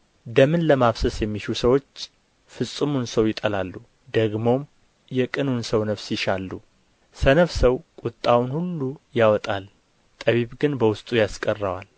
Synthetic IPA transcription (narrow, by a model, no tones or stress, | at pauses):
d̪əmɨnləmaβsəsjɛmːiʃusəwo̞t͡ʃː | fɨsʼɨmunsəwjɪt̪ʼəlalːu | d̪əɡmo̞m | jɛkʼɨnunsəwnəfsjɪʃalːu | sənəfsəwkʼʊt̪ʼːawunhulːujawɔt̪ʼal | t̪ʼəβiβɡɨnbəwʊst̪ʼujaskʼərːawa̰l